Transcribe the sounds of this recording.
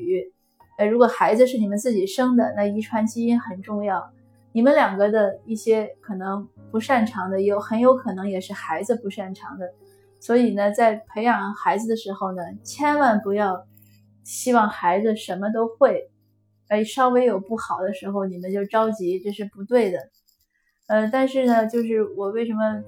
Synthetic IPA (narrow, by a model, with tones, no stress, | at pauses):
ə˧˩ɻu˧˥kwɔ˨˩xa˧˥ɪd͡zɹ̩˧ʂɻ̩˥˩ni˨˩mə˦nt͡sɹ̩˥˩t͡ɕi˨˩ʂɤ˥ŋd̪ə˨na˥˩i˧˥ʈ͡ʂʰwa˧˥nt͡ɕi˥i˥nxə˨˩nʈ͡ʂʊ˥˧ŋjɑ˥˩ʊ | ni˨˩mə˧˦nljɑ˨˩ŋɡə˧d̪ə˧i˥˩ɕjɛ˥kʰɤ˨˩nɤ˧˥ŋpu˧˥ʂa˥˩nʈ͡ʂʰɑ˧˥ŋd̪ə˧jo˧˥ʊxə˧˥njo˧˥ʊkʰɤ˨˩nɤ˧˥ŋjɛ˨˩ʂɻ̩˥˩xa˧˥ɪd͡zɹ̩˧pu˧˥ʂa˥˩nʈ͡ʂʰɑ˧˥ŋd̪ə˧ | swɔ˧˥i˨˩nə˦t͡sa˥˩ɪpʰe˧˥ɪjɑ˨˩ŋxa˧˥ɪd͡zɹ̩˧d̪ə˨˩ʂɻ̩˧˥xo˥˧ʊnə˩t͡ɕʰjɛ˥nwa˥˩npu˧˥jɑ˥˩ʊ | ɕi˥wɑ˥˩ŋxa˧˥ɪd͡z̩˧ʂə˧˥nmə˧t̪̬o˥ʊxwe˥˩ɪ | ə˧˥i˨˩ʂɑ˥ʊwe˥ɪjo˨˩ʊpu˥˩xɑ˨˩ʊd̪ə˦ʂɻ̩˧˥xo˧ʊni˨˩mə˦nt͡ɕjo˥˩ʊʈ͡ʂɑ˥ʊt͡ɕi˧˥ʈ͡ʂɤ˥˧ʂɻ̩˥˩pu˧˥t̪we˥˩ɪd̪ə˩ | ə˧t̪a˥˧nʂɻ̩˥˩nə˩t͡ɕjo˥˧ʊʂɻ̩˥˩wɔ˨˩we˥˩ɪʂ̬ə˧˥nmə˧